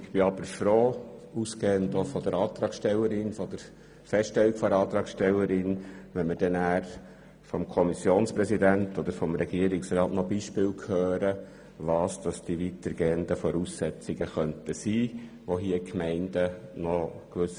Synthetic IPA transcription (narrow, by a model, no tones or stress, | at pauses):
ɪxb̥ɪɑb̥əɾfɾoːuskeːənt̪ofɔd̥̪əɾɑːt̪ɾɑːkʃtɛlːəɾɪnfɔd̥̪əɾ | fɛstɛlːikfɔɑːt̪ɾɑːkʃtɛlːəɾɪnʋɛnməd̥ɛnæːɾ | fɔmkʰɔmisjoːnspɾɛsid̪æntɔd̪əɾfɔmɾɛɡiəɾɪksɾɑːtnɔbiʃpɪːlkʰhøːɾə | ʋɑːsd̥ɑsd̥iʋitəɾɡeːəndəfɔɾuːsːɛt͡sɪɡəχœntəsiː | ʋoɦiːəkmɛɪndənɔkʋʏs